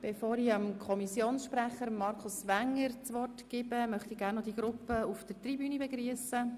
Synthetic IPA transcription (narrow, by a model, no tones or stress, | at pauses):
b̥efoːɾiɑmkʰɔmisjoːnsʃpɾæχəɾmːɑɾkʰʊsʋæŋːəɾt͡sʋɔrtɡ̥ɪbəmœχtiɡæɾrnːɔd̪iɡɾʊpːəufd̥əɾtribyːnəbeɡɾyəsə